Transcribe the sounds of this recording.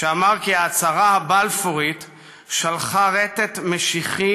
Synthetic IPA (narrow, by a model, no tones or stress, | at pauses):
eamaʁkiaːt͡saʁahabalfoʁit̪ | ʃalχaʁet̪et̪meʃiχi